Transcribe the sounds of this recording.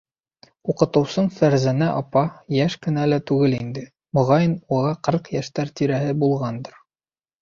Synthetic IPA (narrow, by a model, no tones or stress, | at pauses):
uqɤ̆t̪ɤ̆wsɤɴfæɾzænæʔɒpɑjæʃkɘ̆nælæt̪ʉɡɘlind̪ɘ | mŏʁɑjɤnulˠɑqɤɾqjæʃt̪æɾt̪iɾæɦɘbulˠʁɑnd̪ɤ̆ɾ